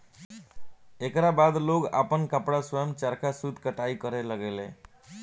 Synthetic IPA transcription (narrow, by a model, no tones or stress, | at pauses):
ekɾabad̪loɡa̰pənkapɽaswəjəmt͡ʃaɾkasud̪ʱkəʈaikəɾeləɡelḛ̃